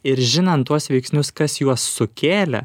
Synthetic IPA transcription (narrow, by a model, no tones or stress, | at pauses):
ɪɾʒʲɪnɐnt̪ːuɔsʋʲɛɪksʲnʲʊskɐsjuɔsːʊkʲeːlʲɛ̰